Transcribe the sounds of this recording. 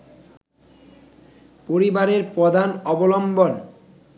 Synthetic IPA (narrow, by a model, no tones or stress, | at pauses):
poɾibaɾeɾpɔd̪ʱanɔbolɔmbon